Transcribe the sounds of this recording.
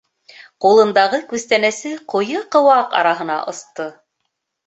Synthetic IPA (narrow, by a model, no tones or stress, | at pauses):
qulˠɤ̆nd̪ɑʁɤkʉst̪ænæsɘqŏjɤqɤ̆wɑqɑ̰ɾɑɦɤ̆nɑ̰ʔŏst̪ɤ